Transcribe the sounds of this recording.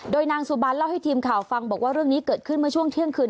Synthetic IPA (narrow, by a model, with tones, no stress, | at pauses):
doː˧jnaː˧ŋsu˨˩baː˧nla˥˩wha˥˩jt̪ʰiː˧mkʰaː˨˩wfa˧ŋbɔː˨˩k̚waː˥˩ɾɯ˥˩əŋniː˦˥kɤː˨˩t̪̚kʰɯ˥˩nmɯ˥˩ɐt͡ɕʰu˥˩əŋt̪ʰi˥˩əŋkʰɯː˧n